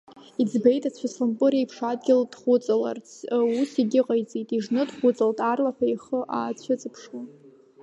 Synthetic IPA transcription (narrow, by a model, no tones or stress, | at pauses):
id͡zbejtʼat͡ɕʷʰaslɨmpʼɨɾiaipʰʂadɡʲɪld̥χʷʊt͡sʼala̰rt͡sʰusiɡʲɪqʼajt͡sʼitʼiʐnɨdχʷʊt͡sʼaltʼarlaħajχəʔaːt͡sʷʰat͡sʼɨpʰʂwan